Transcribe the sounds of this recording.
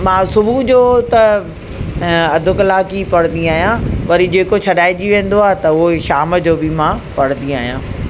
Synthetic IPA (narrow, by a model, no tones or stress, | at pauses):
mãːsʊbud͡ʑoːt̪ɐ | ɐd̪ʱʊkɪlaːkipɐɽ̃nd̪iaːɦijãʋɐɾid͡ʑeːkot͡ɕʰɐɗaːɪd͡ʑiʋẽːn̆d̪oaːɦɪt̪ɐʊɦoʃaːməd͡ʑoːbɪmãːpɐɽə̃nd̪iaːɦijãː